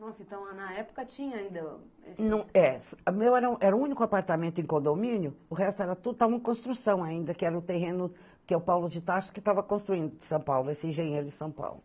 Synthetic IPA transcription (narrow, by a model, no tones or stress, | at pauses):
nɔsʊẽnt̪ɐ̃w̃anɐɛpʊ̥kɐt͡ʃĩɲɐaĩnd̪ɐ | ḛsnɐ̃w̃ɛsmewɛɾɐũʔɛɾɐʊũnikʊapaɾt̪amẽnt̪ʊẽkõnd̪omĩnjʊʊɦɛst̪ʊɛɾɐt̪ud̪ʊt̪avɐ̃ẽkõst̪ɾusɐ̃w̃aĩnd̪ɐkɪɛɾɐʊt̪eɦẽnʊ | kɪɛʊpawlʊd͡ʒɪt̪aʃʊ̥kɪt̪avɐkõst̪ɾuĩnd̪ʊd͡ʒɪsɐ̃w̃pawlʊesɪẽʒẽɲejɾʊd͡ʒɪsɐ̃w̃pa̰wlʊ